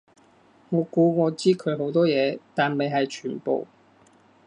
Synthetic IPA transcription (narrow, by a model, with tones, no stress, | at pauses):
ŋɔː˨˧kuː˨˧ŋɔː˨˧t͡siː˥kʰɵ˨˧ɥɦo˨˥wt̪ɔː˥jɛː˨˧t̪aː˨nme˨jɦɐ˨jt͡ʃʰyː˨˩npo̰˨w